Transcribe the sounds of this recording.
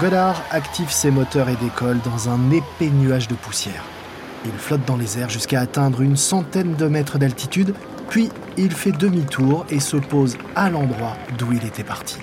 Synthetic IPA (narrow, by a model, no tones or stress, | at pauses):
ɡɔlaʁakt̪ivsemɔt̪œʁed̪ekʰɔld̪ɑ̃zɛ̃nepenyaʒd̪əpusjɛ̰ːʁ | ilflɔt̪̚d̪ɑ̃lezɛʁʒyskaːt̪ɛ̃d̪ʁynsɑ̃t̪ɛnd̪əmɛt̪χəd̪alt̪it̪yd̪ | pɥiː | lfɛd̪əmit̪ʰuʁesɔpoz | alɑ̃d̪ʁwad̪uilet̪ɛpaʁt̪ʰi̥